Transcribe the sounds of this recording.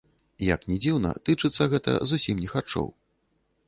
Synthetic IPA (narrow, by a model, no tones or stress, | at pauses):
jɐ̰knʲɛd͡zʲiwnɐ̰t̪ɨt͡ʂɨt̪sːɐɣɛt̪ɐ̰zusʲimnʲɛxat͡ʂɔ̰w